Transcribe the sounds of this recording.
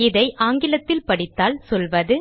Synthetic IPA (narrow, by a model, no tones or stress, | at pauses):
ɪðɐɪʔaːŋɡɪlɐt̪ːɪlpɐɽɪt̪ːaːlsɔlʋɐðɯ